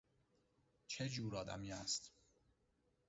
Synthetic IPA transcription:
t͡ʃʰed͡ʒuːɾɒːd̪æ̰miːæst̪

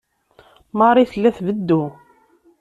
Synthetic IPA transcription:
mɑɾˤiθəlːæθvəd̪ːu

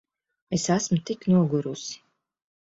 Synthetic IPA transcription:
esasmt̪iknuɔɡuɾusi̥

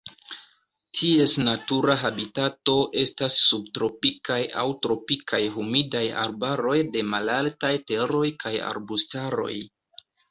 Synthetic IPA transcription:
tʰie̞snatuɾaɦabitato̞ʔe̞stasːub̚tɾo̞pikaja̰wtɾo̞pikʰajɦumidaja̰ɾbaɾo̞jde̞malaltajte̞ɾo̞jkaja̰ɾbustaɾo̞̰j

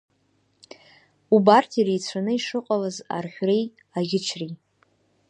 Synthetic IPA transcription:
ubartʰiɾejt͡sʷʰanɨiʂɨqʼalaza̰rħʲʷᶣrej | aɡʲɪt͡ʃʷʰri

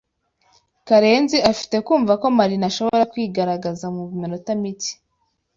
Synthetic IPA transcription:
kaɾe̞ːnziʔafi̥te̞kuːɱvako̞maɾinaʃo̞βoo̞ɾakwiːɡaɾaɡazamuβimenotamiti̥

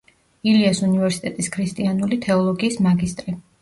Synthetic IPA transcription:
iliasunivɛɾsi̥t̪ʼɛt̪ʼiskʰɾist̪ʼianulit̪ʰɛɔlˠɔɡiːsmaɡist̪ʼɾi

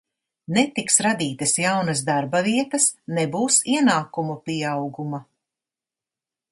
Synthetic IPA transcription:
net̪iksɾad̪iːt̪ɐsjawnɐzd̪aɾbaviɛt̪ɐsnɛbuːsiɛnaːkumupiɛawɡumɐ

